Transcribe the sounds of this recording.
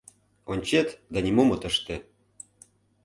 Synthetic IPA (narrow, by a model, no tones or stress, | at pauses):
onʲt͡ɕet̪d̪ɑnʲimomɤ̆t̪ə̆ʃt̪ĕ